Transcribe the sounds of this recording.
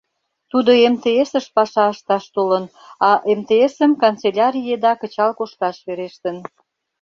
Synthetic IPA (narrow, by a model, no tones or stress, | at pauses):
t̪ud̪oemt̪eesəʃpɑʃɑəʃt̪ɑʃt̪olən | ɑʔemt̪eesəmkont̪t͡selʲɑɾʲijed̪ɑkə̆t͡ɕɑlkoʃk̪ɑʃβeɾeʃt̪ən